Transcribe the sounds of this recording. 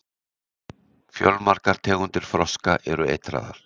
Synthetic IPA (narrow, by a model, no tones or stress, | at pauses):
fjɔ̰lmaɾ̥kaɾ̥t̪ʰɛːɣʏnt̪ɪɾ̥fɾɔskaʔɛɾʏejt̪ɾa̰ːða̰ɾ̥